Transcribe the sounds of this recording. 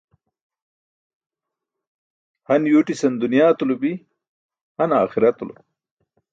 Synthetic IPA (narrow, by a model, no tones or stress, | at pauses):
hɐnjuːʈisɐnd̪unjaːt̪ulubi | hɐnaːxiɾɐt̪ulo̰